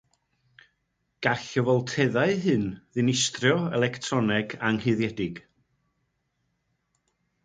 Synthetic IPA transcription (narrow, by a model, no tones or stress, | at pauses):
ɡ̥aɬəvɔlˠtʰɛðaɨɦɨnðɨnɪstrjɔɛlˠɛktʰrɔnɛɡaŋheðjɛdɪɡ̥